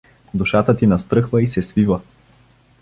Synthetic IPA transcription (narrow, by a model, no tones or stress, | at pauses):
d̪uʃat̪ət̪inɐst̪ɾɤxvəisɛsvivə